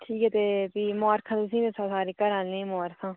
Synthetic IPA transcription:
ʈʰiːkɛːt̪eːbiːmɔːɾkʰãːt̪ʊs̬ĩːʋesʰãːsaːɾiːkəɾãːlːẽːmɔːɾkʰãː

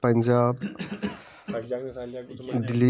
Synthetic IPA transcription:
pəɲd͡ʑab | d̪ili

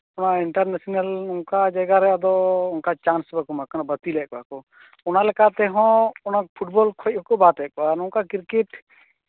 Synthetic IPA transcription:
ɔnaʔiɳʈaɾnasɔnalnɔŋkad͡ʒaɡaɾɛad̪ɔunkat͡ʃansbakɔmakanabət̪ilɛʔkɔakɔ | ɔnalɛkat̪ɛɦɔ̃ɔnak̚pʰuʈbɔlkʰɔc̚ɔkɔbat̪ɛʔkɔanɔŋkakiɾkiʈ

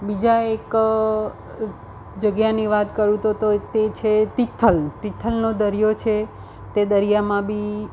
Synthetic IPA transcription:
bid͡ʒaek | d͡ʒəɡjaniʋat̪kəɾũt̪ot̪ot̪et͡ʃʰet̪it̪ʰːəlt̪it̪ʰːəlnod̪əɾijot͡ʃʰe | t̪ed̪əɾijamãbʱi

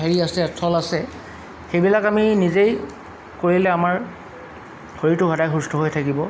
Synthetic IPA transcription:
ɦeɹiasɛtʰɔlasɛ | xejbilakaminizej | koɹilɛamaɹ | xoɹitʊɡʱɔdajxustʰɔɦojtʰakibɔ

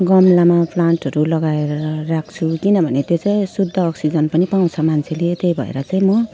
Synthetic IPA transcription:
ɡʌmlamapʰlaɳʈɦʌɾulʌɡaeɾʌɾʌrakʰt͡sʰukinʌbʱʌnet̪jot͡saĩsud̪ʱːʌːksid͡zʌnpʌnipaw̃t͡sʰʌmant͡sʰeliet̪ejbʱʌ̰ḛɾʌt͡saĩmʌ

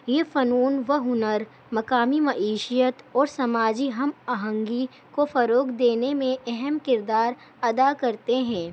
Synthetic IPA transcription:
jeːfɐnuːnʋɐɦʊnəɾ | mɐkaːmimɐʔeːʃijət̪ɔːɾsɐmaːd͡ʒiɦɐmaːɦə̃ŋɡi | kofɐɾoːkd̪eːnemẽʔɛɦɛmkɪɾd̪aːɾ | ɐd̪akɐɾt̪eɦɛ̃ː

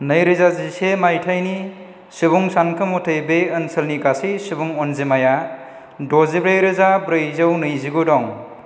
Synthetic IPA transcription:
nɯjɾɯzazisemajtʰajni | sɯbuŋsankʰɯmutʰɯjbeɯnsɯlniɡasisɯbuŋɔnzemaja | dɔzibɾejɾɯzabɾɯjzɯwnɯjziɡudɔŋ

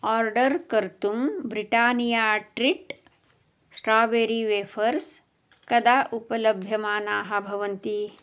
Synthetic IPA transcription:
ɔːɾɖɐɾkɐɾt̪umbɾiʈaːnijaːʈɾiʈ | sʈɾaːbeːɾiʋeːfɐɾs | kɐd̪aːʔupɐlɐbʱjɐmaːnaːɦɐbʱɐʋɐnt̪i

